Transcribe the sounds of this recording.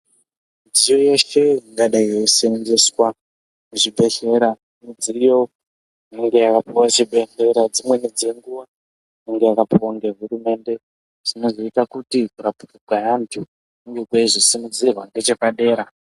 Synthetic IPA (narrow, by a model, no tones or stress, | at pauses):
id͡zijoje̞ʃe̞iŋɡaɗaijosendeswa | muʐiɓe̞ɬe̞ɾa | nid͡zijo̞ | neŋɡe̞jakapiwaʐiɓʱe̞ɬe̞ɾad͡zimwe̞nid͡ze̞ŋɡuwa | neŋɡe̞jakapiwaŋɡe̞ɦurume̞ːnde̞ | ʐ̥ino̞zo̞itakutikuɾapu̥kikwajampu | uŋɡekwaiʐisimud͡zirwaŋɡe̞t͡ʃe̞paɗe̞ːɾa